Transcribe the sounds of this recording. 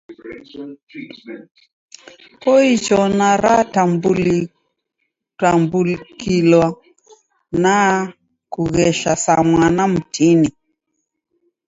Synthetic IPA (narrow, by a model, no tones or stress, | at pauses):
kɔit͡ʃɔnaɾatambuli | tambulkilwa | na | kuɣɛʃasamwanam̩tini